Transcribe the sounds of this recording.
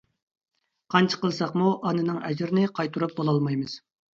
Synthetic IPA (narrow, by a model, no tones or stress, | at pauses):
qʰɑnt͡ʃʰə̥qəlˠsɑqmuʔɑnɨnɨŋɛ̰d͡ʒɪɾɪnɪqʰɑjt̪ʰuɾup̚bolˠɑlˠmɑjmɨz̥